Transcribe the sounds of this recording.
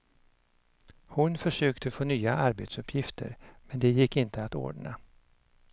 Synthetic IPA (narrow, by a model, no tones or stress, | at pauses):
hʊnfœʂøːkt̪ʰəfoːnyːaʔaɾbeːt̪sɵpʰːjɪft̪ʰə̰ɾmɛnd̪ɛjɪkːɪnt̪əat̪o̰ːɖɳa̰